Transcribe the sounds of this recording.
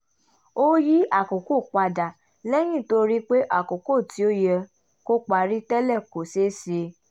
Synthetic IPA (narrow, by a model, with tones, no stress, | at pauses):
o˦ji˦a˦˨ko˨ko˦˨k͡pa˧da˨ | lɛ˦j̃ĩ˦˨to˧ɾi˦k͡pe˦ʔa˦˨ko˨ko˦˨ti˨˦o˦jɛ˧ | ko˦k͡pa˨ɾi˦tɛ˦lɛ˦˨ko˨se˦si˦e˧